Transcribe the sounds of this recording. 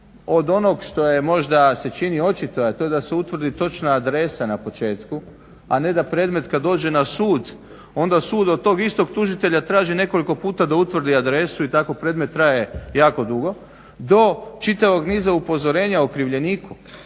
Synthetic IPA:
o̞d̪o̞no̞ɡʃt̪o̞je̞mo̞ʒd̪ase̞t͡ʃinio̞t͡ʃit̪ojat̪o̞ed̪ase̞ut̪ʋr̩d̪it̪o̞t͡ʃnaːd̪ɾe̞sanapo̞t͡ʃe̞ːt̪ku | ane̞d̪apɾeːd̪me̞t̪kad̪ːo̞ːd͡ʒe̞nasuːd̪ | o̞nd̪asuːd̪od̪̚t̪o̞ːɡist̪o̞ɡt̪uʒit̪e̞ʎat̪ɾaːʒine̞ko̞liko̞puːt̪ad̪aut̪ʋr̩d̪iad̪ɾe̞suit̪ako̞pɾe̞d̪me̞t̪ːɾaje̞jaːko̞d̪uɡo̞ | d̪o̞t͡ʃit̪aʋo̞ɡniːzaupo̞zo̞ɾe̞ːɲaokɾiʋʎe̞niːku

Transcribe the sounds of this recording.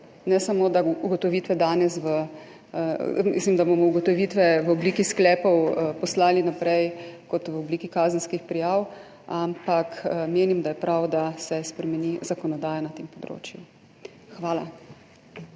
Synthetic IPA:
nɛsamoːd̪auɡɔt̪ɔʋiːt̪ʋɛd̪aːnɛsʋə | mḭslimd̪abomɔuɡɔt̪ɔʋiːt̪ʋɛʋəɔbliːkisklɛːpɔwpɔslaːlinapɾɛjkɔt̪ʋəɔbliːkikaːzənskixpɾijaːw | ampakmeːnimd̪ajɛpɾawd̪asɛspɾɛmɛnizakɔnɔd̪aːjanat̪eːmpɔd̪ɾo̰ːt͡ʃju | xʋaːla

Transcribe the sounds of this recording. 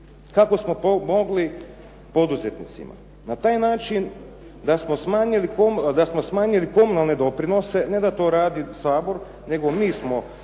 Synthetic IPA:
kako̞smo̞pomo̞ɡli | po̞d̪uzet̪nit̪sḭma̰ | nat̪aːjnaːt͡ʃin | d̪asmo̞smaːɲilikod̪asmo̞smaːɲiliko̞munalˠne̞d̪o̞pɾino̞se̞ne̞d̪at̪o̞ːɾaːd̪isaːbo̞ɾ | ne̞ɡo̞miːsmo̞

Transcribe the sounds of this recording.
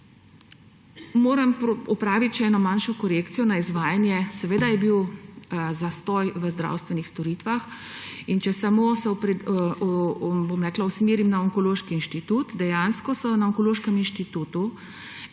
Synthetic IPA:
moːɾɐmpɔpɾaːʋit̪ʃɛːnɔmaːnʃɔkɔɾekt̪sijɔnaizʋaːjanjɛsɛʋeːd̪ajɛbiw | zast̪ɔjʋəzd̪ɾa̰wst̪ʋɛnixst̪ɔɾit̪ʋax | int͡ʃɛsamoːsɛpɾ | bomɾɛklausmiːɾimnaɔŋkɔloːʃkiːnʃt̪it̪uːt̪d̪ɛjaːnskɔsɔnaɔŋkoloːʃkɛminʃt̪it̪uːt̪u

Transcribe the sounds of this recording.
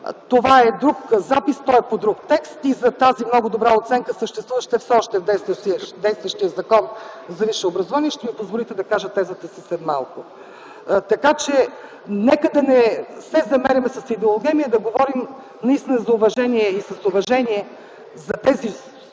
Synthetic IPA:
t̪ovaɛd̪ɾukzapist̪ɔɛpod̪ɾuk̚t̪ɛkst̪izɐt̪azimnɔɡʊd̪obɾaot̪sɛŋkəsəʃt̪ɛst̪vuvəʃt̪ɛfsɛɔʃt̪ɛvd̪ɛjst̪d̪ɛjst̪vəʃt̪iəzɐkɔnzɐviʃɛobɾɐzovaniɛʃt̪ɛmipozvolit̪ɛd̪ɐkaʒət̪ːɛzət̪əsisɛd̪ma̰lˠkʊ | t̪ɐkat͡ʃɛ | nɛkəd̪ɐnɛsɛzɐmɛɾʲɐmɛsɐsid̪ɛolˠoɡʲɛmiəd̪ɐɡovɔɾim | nɐist̪inɐzɐʊvɐʒɛniɛisɐsʊvɐʒɛniɛ | zɐt̪ɛzi

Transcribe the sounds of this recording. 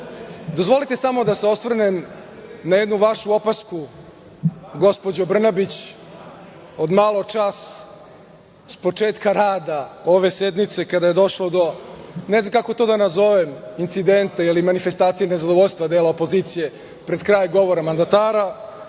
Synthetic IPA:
d̪ozʋo̞lit̪e̞samo̞d̪aseo̞svr̩nemnajed̪nuʋaʃuo̞pasku | ɡo̞spo̞d͡ʑobr̩nabit͡ɕ | od̪maːlˠo̞t͡ʂas | spo̞t͡ʂeːt̪kaɾaːd̪ao̞ʋesed̪mit̪sekad̪aje̞d̪o̞ʃlod̪o̞neznamkako̞t̪od̪anazo̞ʋemint̪sid̪ent̪ailimanife̞st̪aːt̪sijenezad̪oʋoʎʲst̪vad̪eːlaopo̞ziːt̪sije | pɾed̪kɾaːjɡo̞ʋoɾamand̪at̪aːɾa

